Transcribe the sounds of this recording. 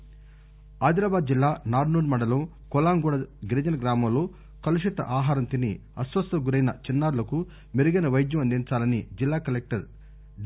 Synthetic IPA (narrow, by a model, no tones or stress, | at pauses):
aːd̪ɾaːbaːd̪̚d͡ʒilːaːnaːɾnuːɾmɐɳɖɐlo | kɔlaːnɡuːɽɐɡiɾɐd͡ʒɐnɐɡɾaːmɐloː | kɐluʂit̪ɐ̰ʔaːɦaːɾɐnt̪ini | ɐsʋɐst̪ɐɡuɾɐjnɐt͡ʃinːaːɾulɐku | miɾuɡɐnɐʋɐjd̪jɐmɐnd̪int͡ʃaːlɐnid͡ʒilːaːkɐlek̚ʈɐɾ